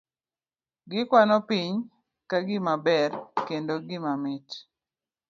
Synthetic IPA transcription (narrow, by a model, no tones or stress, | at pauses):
ɡɪkwanɔpiɲ | kaɡɪmabɛrkendoɡɪmamɪt